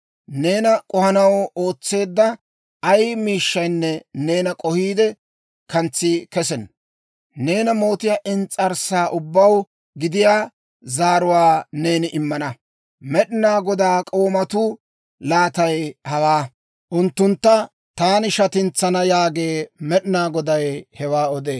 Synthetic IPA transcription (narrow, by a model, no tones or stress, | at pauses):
ne̞ːnɐkʼɔhɐnɐwo̞ːt͡sːe̞ːd̪ːɐ | ɐjmiːʃːɐjnːɛne̞ːnɐkʼɔhiːd̪ɛ | kɐnt͡sːɪkɛsɛn | ne̞ːnɐmo̞ːt̪ɪjaːʔɪnt͡sʼːɐɾsaːʔʊbːɐw | ɡɪd̪ɪjaː | zaːɾʊwaːne̞ːnɪʔɪmːɐnɐ | mɛɗnaːɡɔd̪aːkʼo̞ːmɐt̪ʊ | laːt̪ɐjhɐwaː | ʔʊnt̪ːʊnt̪ːɐ | t̪aːnɪʃɐt̪ɪnt͡sːɐnɐjaːɡe̞ːmɛɗnaːɡɔd̪ɐjhɛwaːɔd̪eː